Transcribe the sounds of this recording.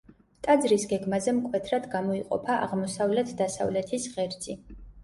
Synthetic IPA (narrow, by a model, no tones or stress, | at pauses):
t̪ʼad̪zɾisɡɛɡmazɛmkʼwɛt̪ʰɾad̪ɡamɔiqʼɔ̰pʰaʔa̰ʁmɔsavlɛt̪ʰd̪asa̰vlɛt̪ʰisʁɛɾd̪z̥i